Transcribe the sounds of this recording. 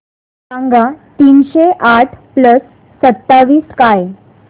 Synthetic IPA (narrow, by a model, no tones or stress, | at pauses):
ãŋɡat̪iːnɕeʔaʈʰpləsː | ət̪ːaʋiːskaj